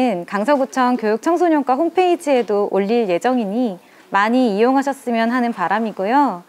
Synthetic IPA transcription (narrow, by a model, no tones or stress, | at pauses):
nkaŋs̬ʰʌɡut͡ɕʰʌŋkjojuk̚t͡ɕʰʌŋsʰoɲʌŋkwaɦompʰe̞id͡ʑɯe̞doʔoʎːiɭje̞d͡ʑʌŋiɲi | maɲiijoŋɦaɕʰʌs͈ɯmjʌnɦanɯnpaɾamiɡujo